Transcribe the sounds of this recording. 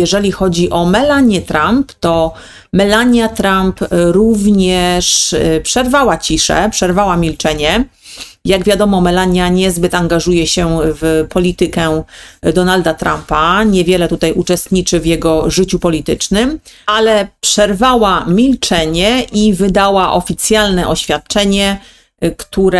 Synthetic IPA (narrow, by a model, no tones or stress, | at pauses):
jɛʐɛlʲixɔd͡ʑiʔɔmɛlaɲjɛt̪ɾampt̪ɔ | mɛlaɲjat̪ɾampɾuvɲɛʂpʂɛɾvawat͡ɕiʂɛ̰pʂɛɾvawamʲilt͡ʂɛɲɛ | jaɡvʲjad̪ɔmɔmɛlaɲjaɲɛzbɘt̪aŋɡaʐujɛɕɛvpʰɔlʲit̪ɘkɛd̪ɔnald̪at̪ɾampaɲɛvʲjɛlɛt̪ut̪ajʔut͡ʂɛst̪ɲit͡ʂɘvjɛɡɔʐɘt͡ɕupɔlʲit̪ɘt͡ʂnɘmalɛpʂɛɾvawamʲilt͡ʂɛɲɛʔivɘd̪awaʔɔfʲit̪sʲjalnɛʔɔɕfʲjat̪̚t͡ʂɛɲɛ | kt̪uɾɛ